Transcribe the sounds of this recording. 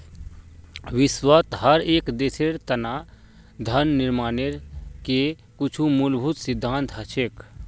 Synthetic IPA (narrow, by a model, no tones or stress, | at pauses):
wɪswət̪ɦəɾeːkd̪esʰeɾt̪ənaː | d̪ʱənːɪɾmaːneɾke | kʊt͡ʃʰumulbʱut̪sɪd̪ʱːãːnt̪ɦət͡ʃʰeːk